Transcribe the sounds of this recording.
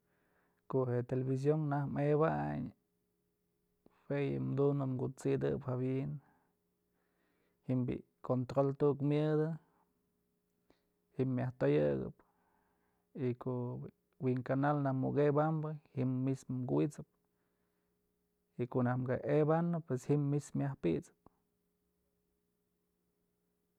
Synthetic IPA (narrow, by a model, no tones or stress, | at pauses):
koʔhet̪eleβis̬joŋnahmeβaɲ | fejɨ̰md̪unɨmɡut͡sid̪ɨphabiʔn | himbḭʔ | kont̪ɾolt̪uʔkmʲjɨd̪ɨ | hiːjaht̪ojɨɡɨ̰p | ikoʔ | wiŋkanalnahmṵɡebambɨhiːismmkit͡sɨp̚ | ikoʔnahmɡaʔebanɨpweshimːismjahpḭʔt͡sɨ̥p̚